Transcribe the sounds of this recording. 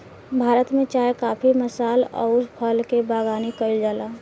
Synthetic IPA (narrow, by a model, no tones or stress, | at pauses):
bʱaːɾət̪mẽt͡ʃaːjkaːpʰiməsaːlɔ̰ːʊspʰəlkebaːɡaːnikəld͡ʒaːlaː